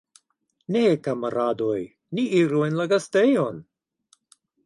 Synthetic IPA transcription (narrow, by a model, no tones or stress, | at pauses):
nekamaɾadoj | niiɾuenlaɡastejon